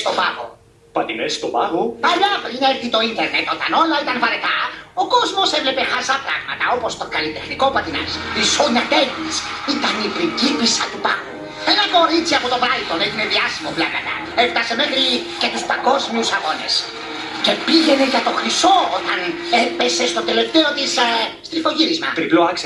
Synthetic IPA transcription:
st̪o̞pɐ̰ɣo̰ | pɐt̪inest̪opɐɣupɐʎɐpɾineɾθit̪o̞int̪e̞ɾnet̪o̞t̪ɐno̞lɐit̪ɐnvɐɾet̪ɐo̞ko̞zmo̞sevle̞pe̞xɐsɐpɾɐɣmɐt̪ɐo̞po̞st̪o̞kɐlit̪e̞xniko̞pɐt̪inɐ̰sxɾisoɲɐt̪eɣnisit̪ɐnipɾiɟipisɐt̪upɐɣu | enɐko̞ɾit͡siɐpot̪o̞vɐlt̪o̞neʝineðiɐsimo̞plɐkɐt̪ɐ̰ | eft̪ɐse̞me̞xɾice̞t̪uspɐŋɡo̞zmiusɐɣo̞ne̞̰s | ce̞piʝe̞ne̞ʝɐt̪o̞xɾiso̞ot̪ɐn | epese̞st̪o̞t̪e̞le̞ft̪e̞o̞t̪isst̪ɾifo̞ʝiɾizmɐ̰ɾiploɐkse

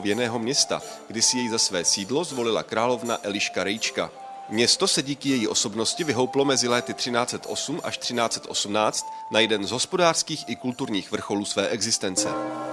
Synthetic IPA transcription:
vjɛnɛːɦo̞mɲɛst̪a̰ | ɡdɪsɪjɛjzasvɛːsiːdlo̞zvo̞lɪla̰kɾaːlo̞vnaʔɛlɪʃkaɾɛjt͡ʃka̰ | mɲɛst̪o̞sɛɟiːkɪjɛjiʔo̞so̞bno̞scɪvɪɦo̞wplo̞mɛzɪlɛːt̪ɪt̪r̝̥ɪnaːt͡sɛt̪ʔo̞sumʔaʃt̪r̥ɪnaːt͡sɛ̥t̪ʔo̞sumnaːt͡st̪najɛdɛnzɦo̞spo̞daːr̥skiːxʔɪkult̪uɾɲiːxvr̩xo̞luːsvɛːʔɛɡzɪst̪ɛnt͡sɛ

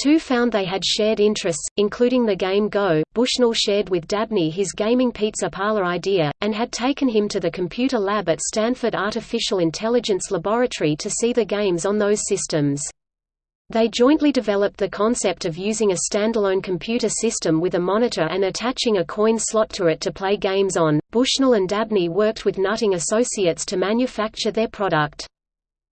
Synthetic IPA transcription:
tʰʉfãʊ̃nðeɪɨd̥ʃɛɹɾɪ̃nt͡ʃɹ̥ɨstsɨ̃nkʰl̥ʉɾɪ̃ŋðɨɡẽɪ̃mɡoʊb̥ʊʃnl̩ˠʃɛɹd̚wɨðdæb̚niɪzɡẽɪ̃mɪ̃ŋpʰitsəpʰɑɹlˠə˞aɪdiɨɨ̃nɨd̚tʰeɪkɨ̃nɨ̃mtʰɨðɨkʰm̩pʰj̥ʉɾə˞læbɨtstæ̃nfə˞ɾɑɹɾɨfɪʃl̩ˠɨ̃ntʰɛlˠɨd͡ʒɨ̃nsləbɑɹɨɾə˞iɾɨsiðɨɡẽɪ̃mzn̩ðoʊz̥sɪstɨ̃mz̥ | ðeɪd͡ʒɔ̃ɪ̃nʔlidɨvɛlˠəp̪̚ðɨkʰɑ̃nsɛp̚tʌvjʉzɪ̃ŋɨstæ̃ndəlˠə̃ʊ̃nkʰm̩pʰj̥ʉɾə˞sɪstɨ̃mwɨðɨmɑnɨɾə˞ʔɨ̃nɨtʰæt͡ʃɪ̃ŋɨkʰɔ̃ɪ̃nslɑtʰəɨtʰɨpʰl̥eɪɡẽɪ̃mzn̩b̥ʊʃnl̩ˠɨ̃ndæb̚niwɜ˞k̚t̚wɨðnʌɾɪ̃ŋɨsoʊsiɨtstʰɨmæ̃njɨfæk̚t͡ʃə˞ðə˞pʰɹ̥ɑɾək̚t

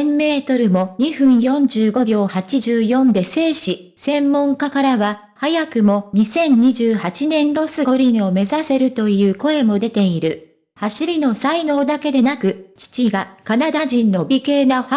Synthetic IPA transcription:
emːe̞ːt̪o̞ɾɯ̟mo̞ɲ̟iɸɯ̟̃ɰ̃jõ̞ɲ̟d͡ʑɨːɡo̞bʲjo̞ːhat͡ɕiʑɨːjõ̞nd̪e̞se̞ːɕi | sẽ̞mːõ̞ŋkakaɾaβa | hajakɯ̟mo̞ɲ̟isẽ̞ɲ̟ɲ̟iʑɨːhat͡ɕinẽ̞nɾo̞sɨɡo̞ɾʲĩɰo̞me̞zase̞ɾɯ̟t̪o̞jɯ̟ːko̞e̞mo̞d̪e̞t̪e̞iɾɯ̟ | haɕiɾʲino̞saino̞ːd̪ake̞d̪e̞nakɯ̟t͡ɕi̥t͡ɕiɡakanad̪aʑĩnːo̞bʲike̞ːna

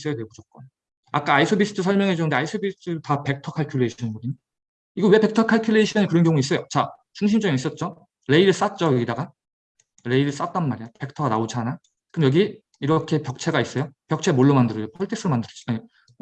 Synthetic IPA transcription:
s͈ejatwebod͡ʑʰʌt̚k͈oj | ak͈aaisʰobisʰɯ̥tʰɯsʰʌɭmjʌŋɦe̞d͡ʑonɯnde̞aisʰobisʰɯ̥tʰɯdotape̞k̚tʰʌkʰaɭkʰjuɭe̞iɕʰʌɲinɡʌdɯɲo | iɡʌwe̞pe̞k̚tʰʌkʰaɭkʰjuɭːe̞iɕʰʌɲikɯɾʌnkjʌŋuis͈ʌjot͡ɕa | t͡ɕuŋɕʰimd͡ʑʌɡiis͈ʌt̚t͡ɕ͈o | ɾe̞iɾɯɭs͈at͡ɕ͈ʌjɡidaɡa | ɾe̞iɾɯɭs͈at̚t͈anmaɾijape̞k̚tʰʌɡanaod͡ʑʰana | kɯmjʌɡi | iɾʌkʰe̞pjʌk̚t͡ɕʰe̞ɡais͈ʌjopjʌk̚t͡ɕʰe̞moɭːomandɯɾʌd͡ʑopʰʌɭtʰeks͈ɯɾomandɯɾʌt͡ɕa

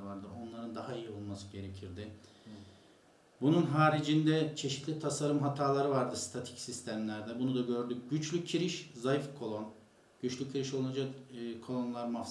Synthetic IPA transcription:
vaɾd̪ɯo̞nlˠaɾɯnd̪ahaijio̞lˠmasɯɟe̞ɾecʰiɾd̪ɪ | bununɦaːɾid͡ʒind̪ɛt͡ʃʰe̞ʃit̪lʲit̪ʰasaɾɯmɦat̪ʰaːlˠaɾɯvaɾd̪ɯst̪ʰat̪ʰi̥csist̪ʰæmlʲæɾd̪ɛbunud̪aɟø̞ɾd̪yc̚ɟyt͡ʃlʲycʰːiɾiʃzajifkʰo̞lˠo̞n | ɟ̥yt͡ʃlʲycʰːiɾiʃolˠunad͡ʒakːkʰo̞lˠo̞nlˠaɾmaf

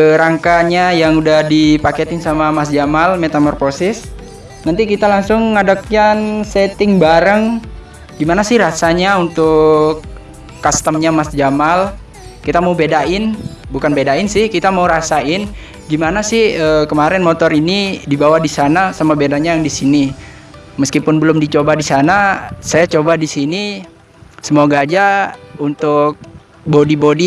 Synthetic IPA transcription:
ɾaŋkaɲajaŋudahdipaket̪ɪŋsamamasd͡ʒamalmet̪amɔrposɪs | nant̪ikit̪alaŋsʊŋːadakjansɛt̪ɪŋbaɾəŋ | ɡimanasɪhrasaɲaunt̪ʊkː | ast̪əmɲamasd͡ʒamal | kit̪amaubedaɪnbukanbedaɪnsɪhkit̪amauɾasaɪn | ɡimanasɪhəkəmaɾɛnmot̪ɔɾinidibawahdisanasamabedaɲajaŋdisini | məskipʊnbəlʊmdit͡ʃobadisanasajat͡ʃobadisini | səmoɡaːd͡ʒaunt̪ʊk̚ | bodibodi

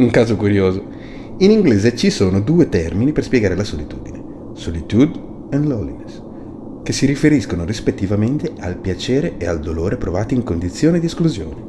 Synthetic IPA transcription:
uŋkaːzokuɾjoːzo | iniŋɡleːzet͡ʃisoːnod̪uːet̪ɛrminiperspjɛɡaːɾelasolit̪uːd̪ine | solit̪ud̪ | ɛnlolines | kesiɾifeɾiskonorispet̪ːivament̪ealpjat͡ʃeːɾeeald̪oloːɾepɾovaːt̪iiŋkond̪it̪sːjoːned̪ieskluzjo̰ːne

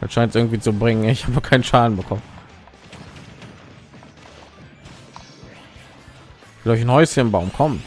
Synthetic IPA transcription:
d̥atʃaɪntsʔɪɐɡŋ̩tv̥iːt͡subʁɪŋənɪçhaːbəkʰaɪnənʃaːdn̩bəkʰɔmə | v̥ɪlɔʏçnhɔʏsənnbaʊmkʰɔmə

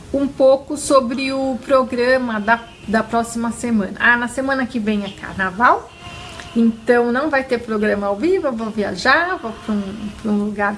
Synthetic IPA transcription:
ũpokʊsobɾɪʊpɾoɡɾɐ̃mɐd̪ɐ | d̪ɐpɾɔsimɐsemɐ̃nɐ̰ʔanɐsemɐ̃nɐkɪvẽj̃ɐka̰ɾnavaw | ẽnt̪ɐ̃w̃nɐ̃w̃vajt̪eɾpɾoɡɾɐ̃mɐawvivɐvõvia̰ʒavɐpɾũpɾũluɡaɾ

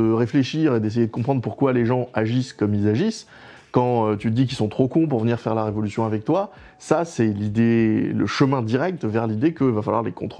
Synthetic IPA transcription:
əʁefleʃiʁed̪es̬ejed̪əkɔ̃pχɑ̃d̪ʁpuʁkwaleʒɑ̃aʒiskɔmilzaʒis | kɑ̃øt̪yd̪ik̬ilsɔ̃t̪χokɔ̃puʁvəniʁfɛʁlaʁevɔlysjɔ̃avɛk̚t̪wa | sasɛlid̪elə̰ʃəmɛ̃d̪iʁɛk̚t̪vɛʁlid̪ekəivafalwaʁlekɔ̃t̪χ

